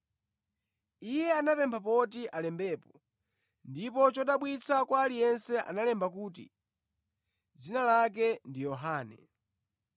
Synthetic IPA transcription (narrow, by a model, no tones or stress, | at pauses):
ijɛanapɛmbʰap̬ɔtiʔalɛmbɛːpɔ | ndipɔt͡ʃɔɗaɓwit͡sʰakwaːlijɛnsɛʔa̰nalɛmbakuːtḭ | d͡zinalak̬ɛndijɔɦaːnɛ